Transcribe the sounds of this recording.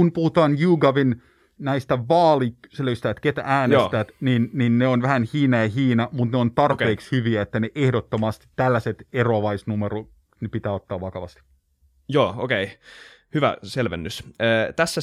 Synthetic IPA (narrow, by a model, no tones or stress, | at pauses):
unpuhut̪ɑːnjuːɡɑʋin | næist̪æʋɑːlikseløyst̪æːt̪ket̪æ̰æːnest̪æːt̪ninninːeonʋæhænhiːnɑjɑhiːnɑmut̪neont̪ɑrpeːkshyʋiæet̪ːæneʔehdot̪ːomɑst̪i̥t̪ːælːæset̪eroɑʋɑisnumero | nepit̪æːot̪ːɑːʋʋɑkɑʋɑ̰st̪i̥ | joːo̰kei | hyʋæ̰selʋḛnːysəːt̪æsːæ